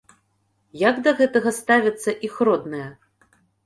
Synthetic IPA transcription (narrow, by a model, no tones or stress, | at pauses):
jaɡd̪ɐɣɛt̪ɐɣɐst̪avʲɐt̪sːɐʔixɾɔd̪nɐjɐ